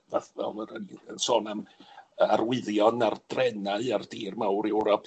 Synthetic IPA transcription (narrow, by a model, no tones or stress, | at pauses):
vaθvɛ̰lˠəɾənənsoːnamarwɪðjɔnard̥rɛnaɨardiːrmawɾɛwɾɔpʰ